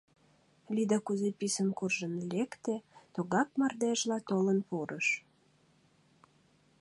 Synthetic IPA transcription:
lid̪ɑkuzepisənkurʒə̆nlekt̪et̪oɣɑk̚mɑrd̪eʒlɑt̪olənpuɾʔəʃ

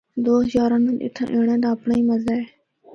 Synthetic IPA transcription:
d̪oːɦəzaːɾãːnə̃nʔɪ̰t̪ʰə̰̃ʔẽːɳ̃ẽːd̪aːəpɳaiːməzaː

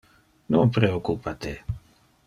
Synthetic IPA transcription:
noŋpɾeokːupat̪e

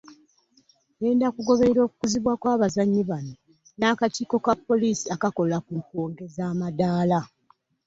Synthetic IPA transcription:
ne̞ːndakuɡo̞βe̞ɾeɾo̞ːku̥kuziβwakwaːβazaɲːiβano | naːkatiːko̞kapːo̞liːsiakako̞lakuŋkoːŋɡe̞zaːmadaːla

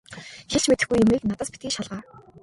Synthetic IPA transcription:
xeɬt͡ɕmet̪ɘ̆xɡujːʊmiːk̚nat̪ə̆ːspit̪ɡiːʃaɮʁaː

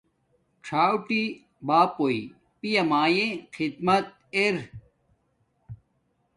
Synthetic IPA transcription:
ʈ͡ʂʰaːwʈi | baːpoi | pijɐmaːjẽxʰid̪mɐt̪̚ | eɾ

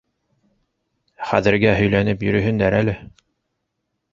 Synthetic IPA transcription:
χæ̰ðɘ̆ɾɡæɦɵ̆jlænɘpjɵ̆ɾɵ̆ɦɵ̆nd̪æɾælɘ

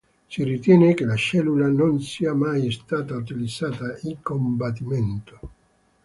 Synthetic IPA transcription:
sirit̪jɛːnekelaʃɛlːulanonsiːamajst̪aːt̪aut̪ilid̪z̥aːt̪aiŋkombat̪ːiment̪o̥

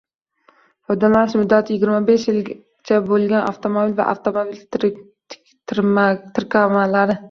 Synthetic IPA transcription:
fɒjd̪alaɪʃmʊd̪ːat̪ʰɪjɪɡʲɪɾmabeʃjɪl | t͡ʃʰabolˠɡʲanʔa̰ft̪ʰomobilva̰ʔa̰ft̪ʰomobil | t̪ʰɾmt̪ʰɪɾkʲʰamalaɾɪ

